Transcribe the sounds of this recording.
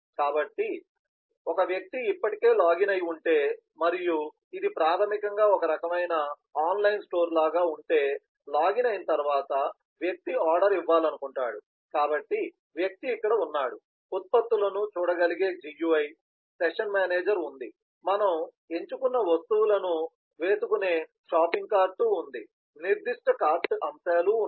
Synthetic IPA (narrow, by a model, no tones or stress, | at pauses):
kaːbɐʈːi | ɔkɐʋjɐk̚t̪iipːɐʈike̞ːlaːɡinɐjuɳʈe̞ː | mɐɾiju | id̪ipɾaːt̪ʰɐmikɐŋɡaːɔkɐɾɐkɐmɐjnɐ | aːnlɐjnsʈo̞ːɾlaːɡaːuɳʈe̞ː | laːɡinɐjinɐt̪ɐɾuʋaːt̪ɐ | ʋjɐk̚t̪iaːɾɖɐɾiʋːaːlɐnukuɳʈa̰ːɽu | kaːbɐʈːi | ʋjɐk̚t̪iːkːɐɽɐunːaːɽu | ut̪̚pɐt̪ːulɐnut͡ʃuːɽɐɡɐliɡe̞ːd͡ʒijuʋɐj | seʂɐnmaːneːd͡ʒɐɾund̪i | mɐnɐm | e̞ɲt͡ʃukunːɐʋɐst̪uwulɐnu | ʋe̞ːsukune̞ː | ʂaːpiŋɡ̚kaːɾʈuːnd̪i | niɾd̪iʂʈɐkaːɾʈɐmsaːlu